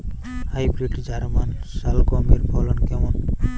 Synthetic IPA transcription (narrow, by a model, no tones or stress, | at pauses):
hajbɾiʈd͡ʒaɾmansalɡɔmiɾbʰʱɔlɔnkɛmɔn